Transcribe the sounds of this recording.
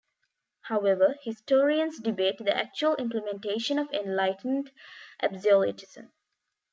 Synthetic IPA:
haʊeʋəhisʈoːɾiə̃nsɖibeːʈd̪iʔæ̰k̚t͡ʃuəlʔɪ̃mpləmẽnʈeːʃə̃nɔʋẽnlaɪʈnɖʔæbzəlḭʈɪsə̰̃n

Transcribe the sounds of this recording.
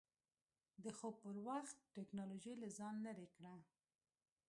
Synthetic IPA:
d̪əxopəɾwaxt̪̚ːeknɑloʒajlazɑnlaɾekɽa

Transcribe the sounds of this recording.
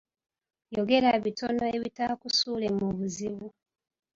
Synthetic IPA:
jo̞ɡe̞ɾaβitʰo̞no̞e̞βitakusuːle̞muβuziβu

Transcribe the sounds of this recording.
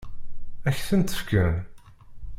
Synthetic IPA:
æçθənt̪ə̥fkæn

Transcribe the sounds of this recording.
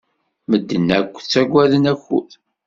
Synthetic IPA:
məd̪ːənːækʷːθt͡sːæɡʷːæðənæçːṵð

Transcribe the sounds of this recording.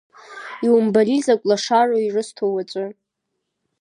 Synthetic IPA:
iwumbalizakʷʼlaʂaroirɨstʰowat͡ʃʷʼɨ

